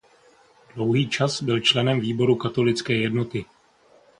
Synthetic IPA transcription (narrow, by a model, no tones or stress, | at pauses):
d̥lo̞wɦiːt͡ʃasbɪlt͡ʃlɛnɛmviːbo̞ɾukat̪o̞lɪt͡skɛːjɛdno̞t̪ɪ